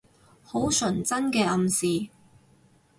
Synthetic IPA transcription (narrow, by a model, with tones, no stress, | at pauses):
ho˨˥wsɵ˨˩nt͡sɐ˥nkɛː˧ʔɐ˨˧msiː˨